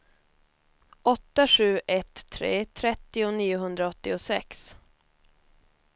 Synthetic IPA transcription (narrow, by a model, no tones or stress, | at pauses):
ʔɔt̪ːaɧʉ̟ːʔɛt̪ʰːɾḛːt̪ʰɾɛt̪ːɪʊniːʊɦɵnd̪ɾaɔt̪ːɪʊsɛks